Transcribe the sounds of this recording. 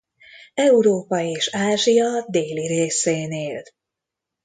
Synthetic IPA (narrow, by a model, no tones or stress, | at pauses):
ɛuɾoːpɒeːʃaːʒijɒd̪eːliɾeːseːneːl